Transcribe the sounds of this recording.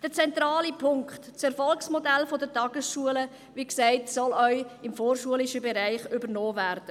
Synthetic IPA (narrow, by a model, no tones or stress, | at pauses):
d̥ət͡sɛnt̪ɾaːlipʰʊŋkχtt͡sɛɾfɔlksmɔdælfodətɑɡ̥əsʃuələ | ʋiksæɪtsɔlœʏɪmfoːrʃuəlɪʃəbeɾæɪχʏbəɾnɔːvæɾd̥ə